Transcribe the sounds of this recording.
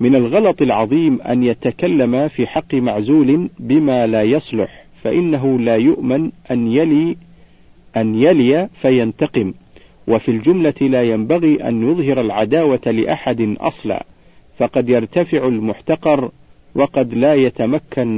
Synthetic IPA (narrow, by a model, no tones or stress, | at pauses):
mɪnalɣɑlɑt̪ˤɪlʕɑðˤiːmʔa̰njat̪akalːamafiːħɑqːɨmaʕzuːlɪnbɪmaːlaːjɑsˤlʊħ | faʔɪnːaɦʊlaːjʊʔmɪnʔa | ʔanjalɪjafajant̪ɑqɨm | wʔafiːld͡ʒʊmlalaːjambaɣiːʔa̰njʊðˤɦɪɾalʕad̪aːwalɪʔaħad̪ɪnʔɑ̰sˤlɑ̰ː | fɑqɑd̪jɑɾˤt̪afɪʕalmʊħt̪ɑqɑɾˤ | wɑqɑd̪laːjat̪amakːan